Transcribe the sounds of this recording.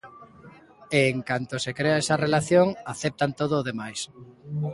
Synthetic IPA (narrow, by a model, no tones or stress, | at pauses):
eːŋkant̪osekɾeaɛsɐrelaθjoŋaθep̚t̪ant̪oð̞oːðemajs